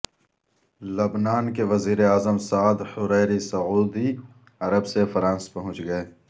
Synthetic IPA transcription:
lɐbnaːnkeʋɐziːɾeaːzəmsaːd̪hʊɾɛːɾisɐuːd̪i | ɐɾəbsefɐɾãːspɐɦʊ̃t͡ʃɡɐeː

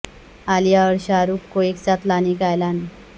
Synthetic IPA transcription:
alijaʋəɾɕaɾukkoekt͡sat̪lanikajlan

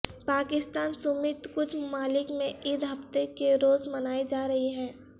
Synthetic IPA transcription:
paːkɪst̪aːnsʊmɪt̪kʊt͡ʃʰmaːlɪkmẽʔɪd̪ɦɐft̪ekeɾoːzmɐnaːid͡ʒaːɾɐɦiɦɛ̃ː

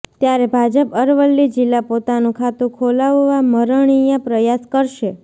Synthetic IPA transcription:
t̪jaɾebʱad͡ʒəpəɾʋəlːid͡ʒilːapot̪anũkʰat̪ũkʰolaʋːaməɾəɳ̃ijapɾəjaskəɾʃe

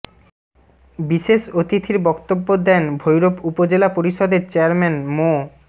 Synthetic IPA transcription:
biʃeʃot̪it̪ʰiɾbɔkt̪obːod̪ɛnbʱojɾopupod͡ʑelapoɾiʃɔd̪eɾt͡ɕeaɾmɛnmo

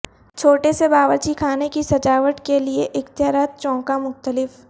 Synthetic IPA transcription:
t͡ʃʰoːʈesebaːʋəɾt͡ʃikʰaːnekisɐd͡ʒaːʋəʈkelieʔɪxt̪ɪjaːɾaːt̪̚t͡ʃɔ̃ːkamʊxt̪əlɪf

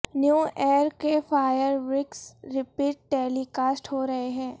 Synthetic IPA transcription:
njuːɛːɾkefaːjəɾʋɾɪksɾɪpiːʈ̚ʈɛːlikaːsʈɦoɾɐɦeɦɛ̃ː

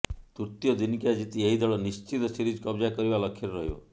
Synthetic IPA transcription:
t̪uɾt̪ijɔd̪inkjad͡ʒit̪ieɦid̪ɔɭɔnist͡ʃit̪ɔsiɾid͡ʒkɔbd͡ʒakɔɾibalɔkʰeɾɾɔɦjo̰

